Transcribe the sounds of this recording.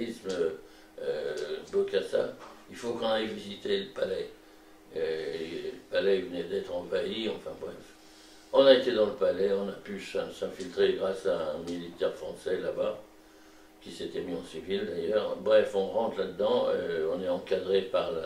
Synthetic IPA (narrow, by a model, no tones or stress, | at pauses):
ismø | øbokasa̰ilfokɔ̃naivizit̪eləpalɛ | øləpalɛvənɛd̪ɛt̪χɑ̃vaiɑ̃fɛ̰̃bʁɛf | ɔ̃naet̪ed̪ɑ̃ləpalɛɔ̃napysɛ̃sɛ̃filt̪χeɡʁasaɛ̃milit̪ɛʁfχɑ̃sɛlaba | kʲiset̪ɛmiɑ̃sivild̪ajœʁbʁɛfɔ̃ʁɑ̃t̪lad̪əd̪ɑ̃øɔ̃nɛɑ̃kad̪ʁepaʁla